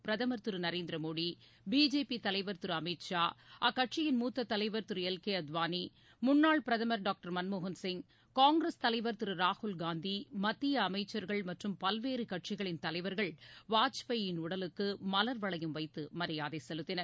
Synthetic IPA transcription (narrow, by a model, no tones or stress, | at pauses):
pɪɾɐðɐmɐɾt̪ɯɾɯnɐɾeːnd̪ɪɾɐmoːɽi | biːd͡ʒeːpit̪ɐlɐɪʋɐɾt̪ɯɾɯɐmɪʈʂaːʔɐkːɐʈt͡ʃɪjɪnmuːt̪ːɐt̪ːɐlɐɪʋɐɾt̪ɯɾɯɛlkeːɐd̪ʋaːni | mʊnːaːɭpɪɾɐðɐmɐɾɖaːk̚ʈɐɾmɐnmoɣɐnsɪŋ | kaːŋɡɾɐst̪ɐlɐɪʋɐɾt̪ɯɾɯɾaːhʊlɡaːnd̪imɐt̪ːɪjɐːmɐɪt͡ʃːɐɾɣɐɭmɐʈrɯmpɐlʋeːɾɯkɐʈt͡ʃɪɣɐɭɪnt̪ɐlɐɪʋɐɾɣɐɭʋaːt͡ʃpɐjɪnʊɽɐlɯkːɯmɐlɐɾʋɐɭɐjɯmʋɐɪt̪ːɯmɐɾɪjaːðeːsɛlɯt̪ːɪnɐɾ